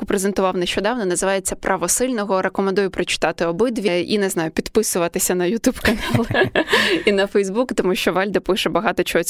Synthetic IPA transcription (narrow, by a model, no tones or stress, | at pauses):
ʊpɾezent̪ʊʋɑwneʃt͡ʃɔd̪ɑwnɔnɐzɪʋɑjet͡sʲːɐpɾʔɐʋɔsɪlʲnɔɦɔɾekɔmend̪ujʊpɾɐt͡ʃɪ̥t̪ɑt̪ɪɔbɪd̪ʋʲiḭnɛznɑjʊpʲid̪pɪsʊʋɐt̪ɪsʲɐnɐjʊt̪ʲubkɐnɑlˠ | inɐfɛjzbukt̪ɔmuʃt͡ʃɔʋɑlʲd̪ɐpɪʃɛbɐɦɑt̪ɔt͡ʃɔɦɔ